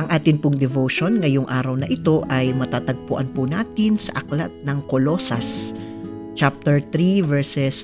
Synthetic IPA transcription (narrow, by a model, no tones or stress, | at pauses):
ʔɐŋʔaːt̪ɪnpʊŋd̪ɛvowʃo̞nŋɐjoŋʔaːɾɐwnɐʔɪt̪o̞ʔɐjmɐt̪aːt̪ɐɡ̚pʊʔɐnpʊnaːt̪ɪnsɐʔɐkla̰t̪̚nɐŋkolo̞ːsɐs | t͡ʃap̚t̪ɛɹt̪ɾivɛɹsɛs